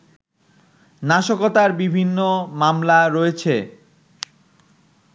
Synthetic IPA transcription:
naʃokot̪aɾbibʱinːomamlaɾoet͡ɕʰe

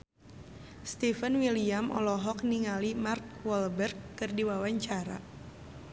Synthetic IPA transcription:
st̪ifənwiliamʔɔ̰lɔɦɔk̚niŋalimark̚wɔlbərkːɨrdiwawaɲt͡ʃaɾa̰

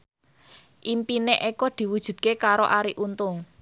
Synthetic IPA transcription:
ʔimpineʔekɔd̪̥i̤wud̥ʒ̥ṳd̪̥̚kekaɾo̰ʔaɾiʔunt̪ʊŋ

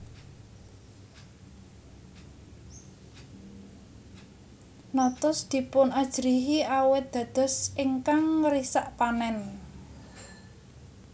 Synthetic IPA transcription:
nɔt̪ʊsd̪̥i̤pʊnad̥ʒ̥ɾiɦiʔawɪt̪̚d̪̥ä̤d̪̥ɔ̤siŋkaŋɾisaʔpanɛn

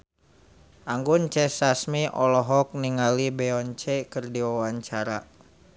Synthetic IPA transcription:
ʔaŋɡunt͡ʃɛsasmiʔɔlɔɦɔk̚niŋalibɛɔnt͡ʃɛkərdiwawaɲt͡ʃaɾa

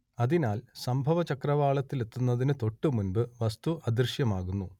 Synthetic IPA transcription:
ɐðinaːlsɐmbʱɐʋɐt͡ɕɐkrɐʋaːɭɐt̪ːilet̪ːunːɐðinɨt̪o̞ʈːɨmunbɨʋɐst̪uʔɐd̪irʂjɐmaːɣunːu

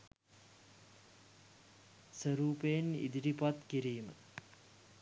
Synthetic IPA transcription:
səɾuːpejenḭd̪iɾipat̪kiɾiːmə̰

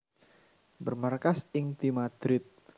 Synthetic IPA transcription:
bərmarkasɪŋt̪imad̪̥ɾɪt̪̚

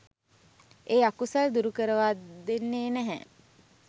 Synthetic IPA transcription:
eːakusald̪uɾukəɾəʋaːd̪enːeːnæɦɛ̰

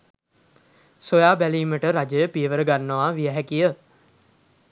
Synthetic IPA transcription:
sojaːbæliːməʈəɾad͡ʒəjəpiəʋəɾəɡanːəʋaʋiəɦækijə

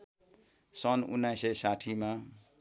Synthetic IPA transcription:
sʌnṵnːajsʌjsaʈʰima

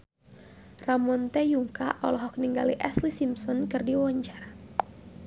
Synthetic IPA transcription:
ramɔnt̪ɛjuŋka̰ʔɔlɔɦɔk̚niŋɡaliʔɛslisimsɔnkɨrdiwɔɲt͡ʃar

